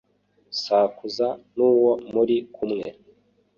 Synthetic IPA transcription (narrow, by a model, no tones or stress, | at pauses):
saːkuzanuːwomuɾikʰumŋe̞̰